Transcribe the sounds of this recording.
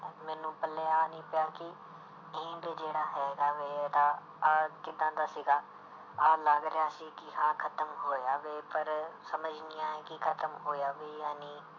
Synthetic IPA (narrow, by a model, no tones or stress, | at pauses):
mɛ̃ːnũːpəlːeːaːnĩːpɪjãːkɪ | ɪ̃ːɖd͡ʒeːɽaːɦɛːɡaːʋeːd̪aː | aːkɪd̪ãːd̪aːsiːɡaː | aːlaɡɾejaːsiːkɪhãːkʰət̪əmɦoːjaːʋeːpəɾsəməd͡ʒniːaːɛ̃ːkɪkʰət̪əmɦoːjaːʋeːjaːniː